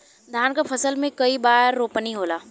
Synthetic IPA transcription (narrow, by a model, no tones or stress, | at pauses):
d̪ʱjaːnkapʰɐsəlmẽkɐibaːɾːoːpəniɦoːlaː